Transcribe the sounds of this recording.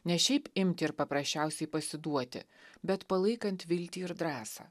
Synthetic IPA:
nʲɛʃʲɛɪpɪmʲt̪ʲɪɪɾpɐpɾɐsʲt͡ʃʲɛʊsʲɛɪpɐsʲɪd̪uɔt̪ʲɪ̰ | bʲɛt̪pɐlˠɐɪkɐnʲt̪ʋʲɪlʲt̪ʲiːɪɾd̪ɾɑːsɑ̰ː

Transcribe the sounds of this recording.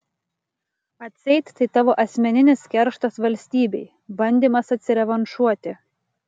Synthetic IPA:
ɐt̪ʲsʲɛɪt̪ʲt̪ːɐɪt̪ɑʋoːʔɐsʲmʲɛnʲɪnʲɪskʲɛɾʃt̪ɐsʋɐlʲsʲt̪ʲiːbʲɛɪ | bɐnʲd̪ʲiːmɐsɐt̪ʲsʲɪɾʲɛʋɐnʃuɔt̪ʲɪ

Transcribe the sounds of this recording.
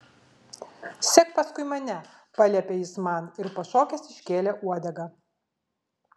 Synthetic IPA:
sʲɛkpɐskʊɪmɐnʲɛpɐlʲɛpʲejɪsmɑnɪɾpɐʃoːkʲɛsɪʃʲkʲeːlʲɛʔuɔd̪ʲɛɡɐ

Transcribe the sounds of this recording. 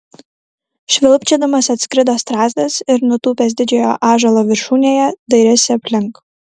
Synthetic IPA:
ʃʲʋʲɪlˠpʲt͡ʃʲɛd̪ɐmɐsɐt̪ʲskɾʲɪd̪oːst̪ɾɑːzʲd̪ɐsɪɾnʊt̪uːpʲeːs̬ʲd̪ʲɪd͡ʒʲɛjoːʔɑːʒɐlˠoːʋʲɪɾʃuːnʲeːjɛd̪ɐɪɾʲɛsʲɪɐpʲlʲɪŋk

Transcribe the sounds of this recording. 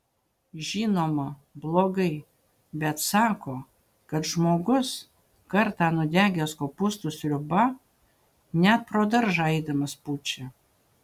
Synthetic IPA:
ʒʲiːnoːmɐblˠoːɡɐɪ | bʲɛt̪sɑːkoː | kɐt̪ʒmoːɡʊs | kɐɾt̪ɑːnʊd̪ʲæːɡʲɛskopʊst̪ʊsʲlʲʊbɐ | nʲɛt̪̚pɾoːd̪ɐɾʒɐɪd̪ɐmɐsput͡ʃʲɛ

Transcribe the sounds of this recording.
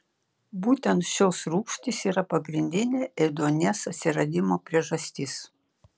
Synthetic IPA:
buːt̪ʲɛnt̪ʃʲoːsɾuːkʃt̪ʲɪsiːɾɐpɐɡɾʲɪnʲd̪ʲɪnʲeːʔɛd̪oːnʲɛsɐt̪ʲsʲɪɾɐd̪ʲɪmoːpʲɾʲiɛʒɐsʲt̪ʲɪs

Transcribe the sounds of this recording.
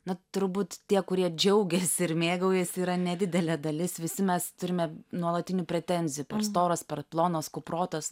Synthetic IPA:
nɐt̪ʊɾbuːt̪t̪ʲiɛkʊɾʲiɛd͡ʒʲɛʊɡʲɛsʲɪɾmʲeːɡɐʊjɛsʲiːɾɐnʲɛd̪ʲɪd̪ʲɛlʲɛd̪ɐlʲɪsʋʲɪsʲɪmʲɛst̪ʊɾʲɪmʲɛnuɔlˠɐt̪ʲɪnʲʊpʲɾʲɛt̪ʲɛnʲzʲɪjʊːpʲɛrst̪oːɾɐspʲɛrplˠoːnoːskʊproːt̪ɐs

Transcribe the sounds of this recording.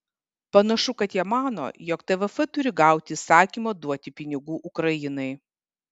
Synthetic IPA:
pɐnɐʃʊkɐt̪jiɛmɑːno̰ːjɔːkt̪ɛʋɛfɛt̪ʊɾʲɪɡɑˑʊt̪ʲɪsɑːkʲiːmɐːd̪uɔt̪ʲɪpʲɪnʲɪɡuːʔʊkɾɐjɪnɐɪ

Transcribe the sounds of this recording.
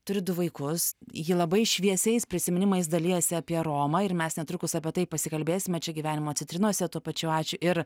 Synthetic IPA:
t̪ʊɾʲɪd̪ʊʋɐɪkʊsjɪlˠɐbɐɪʃʲʋʲiɛsʲɛɪspʲɾʲɪsʲɪmʲɪnʲɪmɐɪs̬d̪ɐlʲɪjɛsʲɪɐːpʲiɛɾoːmɐɪɾmʲɛsnʲɛt̪ɾʊkʊsɐpʲiɛt̪ɐɪpɐsʲɪkɐlʲbʲeːsʲɪmʲɛt͡ʃʲɛɡʲiʋʲæːnʲɪmoːt͡sʲɪnt̪ʲɾʲɪnuɔsʲɛt̪uɔpɐt͡ʃʲʊɑːt͡ʃʲʊʔɪɾ

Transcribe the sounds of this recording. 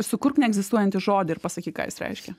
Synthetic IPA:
sʊkʊɾknʲɛɡzʲɪst̪uɔjɛnʲt̪ʲɪʒoːd̪ʲɪɪɾpɐsɐkʲiːkɑ̰ːjɪ̰sɾʲɛ̰ɪʃʲkʲɛ

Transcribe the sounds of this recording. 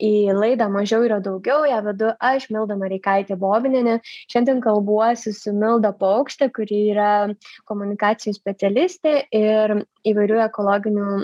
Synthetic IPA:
iːlˠɐɪd̪ɑːmɐʒʲɛʊiːɾɐd̪ɐʊɡʲɛʊjæːʋʲɛd̪ʊʔɐʃmʲɪlˠd̪ɐmɐɾʲɛɪkɐɪt̪ʲeːboːbʲɪnʲenʲɛʃʲɛnʲd̪ʲiɛnkɐlˠbuɔsʲɪsʊmʲɪlˠd̪ɐpɐʊkʃʲt̪ʲekʊɾʲiiːɾɐkoːmʊnʲɪkɑːsʲɪjusʲpʲɛt̪sʲɛlʲɪsʲt̪ʲeːɪɾ | iːʋɐɪɾʲuːɛkoːlˠoːɡʲɪnʲuː

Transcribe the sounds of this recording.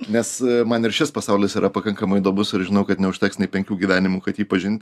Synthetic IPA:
nʲɛsmɐnɪɾʃʲɪspɐsɑʊlʲɪsiːɾʔɐpɐkɐŋkɐmɐɪd̪oːbʊsɪɾʒʲɪnɐʊkɐt̪nʲɛʊʃʲt̪ʲɛksnʲɛɪpʲɛŋʲkʲuːɡʲiʋʲæːnʲɪmuːkɐt̪jiːpɐʒʲɪnʲt̪ʲ

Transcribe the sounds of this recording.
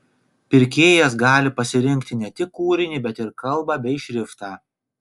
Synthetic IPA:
pʲɪɾʲkʲeːjɛsɡɑːlʲɪpɐsʲɪɾʲɪŋʲkʲt̪ʲɪnʲɛt̪ʲɪkːuːɾʲɪnʲiːbʲɛt̪ɪɾkɐlˠˑbɑːbʲɛɪʃʲɾʲɪft̪ɑː

